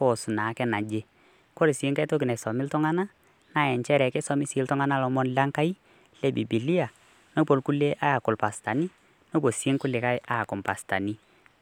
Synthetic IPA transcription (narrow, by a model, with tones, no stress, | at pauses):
kɔ˨su˨na˨˦kɛ˦na˨d͡ʒe˦ | kɔ˦ɾi˨sɪ˦ŋka˦to˦k̬i˨nɛ˨sɔ˨mɪ˦ltɔ˦ŋa˦na˦ | na˨ɛ˨nt͡ʃɛ˦ɾɛ˨kɛ˦sɔ˦mi˦sɪ˨˦ltɔ˦ŋa˦na˦lɔ˨mɔ˦nla˦ŋka˦i˦ | lɛ˦bi˨bi˨li˦a˨ | no˦po˨lku˦le˦ʔa˦ja˨kʊ˨lpa˨sta˨ni˦ | no˦bo˨si˦ŋkʊ˦lɪ˨ka˦jʔa˦a˨kʊ˨mpa˨sta̰˨ni˦